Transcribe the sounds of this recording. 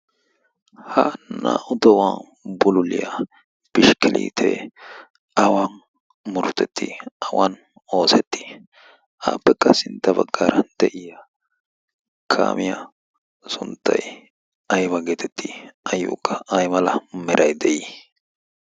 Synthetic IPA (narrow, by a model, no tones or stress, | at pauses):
hɐna̰ːʔʊd̪ɐwaːn | bʊlʊlɪjɐ | b̥ɪʃkɪlʔḭːt̪ʰɛ̰ | ɐwaːn | mʊɾʊt̪ːɛt̪ʰːɪɐwan | o̞ːsɛt̪ːɪ̥ | aːpːɛkːɐsɪnt̪ːɐbɐɡːaːɾɐnd̪ɛʔɪjɐ | kʰa̰ːmɪjɐ | sʊnt̪ːɐj | ɐjbɐɡeːt̪ɛt̪ːɪɐjːṵːkːɐʔɐjmɐlɐmɛɾʔɐjd̪ɛʔi